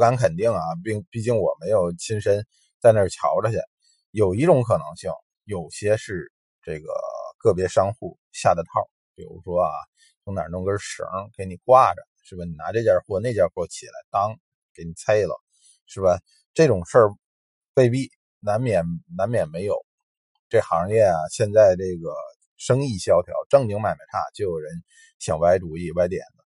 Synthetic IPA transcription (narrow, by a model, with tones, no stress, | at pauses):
ka˧˥nkʰə˨˩nt̪i˥˩ŋa˩pi˥˩ŋpi˥˩t͡ɕi˥˩ŋwɔ˨˩me˧˥ɪjo˨˩ʊt͡ɕʰi˥nʂə˥n | t͡sa˥˧ɪnə˥˩t͡ɕʰjɑ̰˧˥ʊʈ͡ʂə˧ɕjɛ˥˩ | jo˨˩ʊi˧˥ʈ͡ʂʊ˧˥ŋkʰɤ˨˩nɤ̰˧˥ŋɕi˥˩ŋ | jo˨˩ʊɕjɛ˥ʂɻ̩˥˧ | ʈ͡ʂɤ˥˩ɡə̰˩kʰɤ˥˩p̬jɛ˧˥ʂɑ˥ŋxu˥˩ | ɕja̰˥˩d̪ə˧˥t̪ʰɑ˥˩ʊ | pi˨˩ɻṵ˧˥ʂwɔ˥a̰˧˩ | t͡sʰʊ˧˥ŋna̰˨˩ʈ͡ʂʊ˥ŋkə˥ʂ̩˨˧˥ke˧˥ɪni˨˩kwa˥˩ʈ͡ʂə̰˩ʂɻ̩˥˩bə˩ni˨˩na˧˥ʈ͡ʂɤ˥˩t͡ɕja˥˧xwɔ˥˧ne˥˧ɪt͡ɕja˥˧xwɔ˥˩t͡ɕʰi˨˩la̰˧˥ɪt̪ɑ˥ŋ˩ | ke˧˥ɪni˨˩t͡sʰe˥ɪlə̰˩ | ʂɻ̩˥˩bə˩ | ʈ͡ʂɤ˥˩ʈ͡ʂʊ˨˩ŋʂə˞˥˧ | we˥˧ɪpi˥˩ | na˧˥nmjɛ˨˩nna˧˥nmjɛ˨˩nme˧˥ɪjo˨˩˦ʊ | ʈ͡ʂɤ˥˩xɑ˧˥ŋljɛ˥˩ɐ˩ɕjɛ˥˧nt͡sa˥˧ɪʈ͡ʂɤ˥˩ɡə˩ | ʂɤ˥ŋi˥˩ɕjɑ˥ʊt̪ʰjɑ̰˧˥ʊʈ͡ʂɤ˥˧ŋt͡ɕi˧˥ŋma˨˩ɪma˧˩˥t̪ʰa̰˥˧t͡ɕjo˥˩ʊjo˨˩ʊɻə˧˥n | ɕjɑ̰˨˩ŋpa˧˥ɪʈ͡ʂu˨˥i˥˩wa˧˥ɪt̪jɛ̰˨˩nd̪ə˦